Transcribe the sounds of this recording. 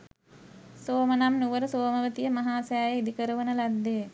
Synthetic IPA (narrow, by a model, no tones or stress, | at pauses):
soːmənamnuʋəɾəsoːməʋət̪ijəmɐɦaːsejaːjeid̪ikəɾəʋənəlad̪ːe